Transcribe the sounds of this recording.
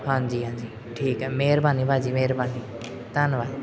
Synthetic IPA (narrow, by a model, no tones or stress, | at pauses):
ɦãnd͡ʒiːɦãːnd͡ʒiː | ʈʰiːkːmeːɾbʱaːniːbʱaːd͡ʒiːmeːɾbʱaːniː | t̪anʋaː